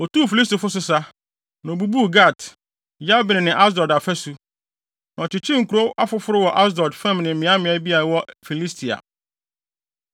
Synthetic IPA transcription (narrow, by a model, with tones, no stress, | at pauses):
ɔ˨tu˦˨fi˨li˦s̬to˨fʊ˦sʊ˦sa˦ | nã˨o˨bu˦bu˦ɡa˦˨t | ja˦bɪ˨nɪ̃˨nɪ̃˨ʔa˦s̬dɔ˨da˨fɛ˦su˦ | nã˨ɔ˨t͡ɕʰɪ˨t͡ɕʰi˦ŋ̩˨kʰu˨ɾo˦ʔa˦fʊ˦fʊ˦ɾʊ˦wɔ˨ʔa˦s̬dɔ˨dfɛ̃˦m˨nɪ̃˨m̩˨mɪ̃˨˦ã˦mɪ̃˨a˦bi˦a˨a˨wɔ˦fi˨li˦stʰi˨a̰˨